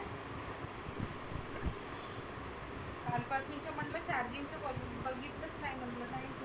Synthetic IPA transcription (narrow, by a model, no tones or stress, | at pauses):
talpasuɲt͡ɕjam̤əɳɖlət͡ɕaɾd͡ʑiŋt͡ɕjaə | bəɡʱiːt̪d̪ət͡skaɦjm̤əɳlənaɦe